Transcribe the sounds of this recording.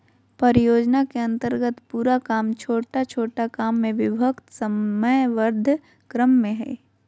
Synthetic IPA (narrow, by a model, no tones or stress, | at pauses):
pɐɾjoːd͡ʒnakeɐ̃nt̪əɾɡət̪puːɾakaːmt͡ʃʰoːʈat͡ʃʰoːʈakaːmːẽʋɪbʱəkt̪sɐməjʋəɾd̪ʱ | kɾəmːẽɦɛ̰ː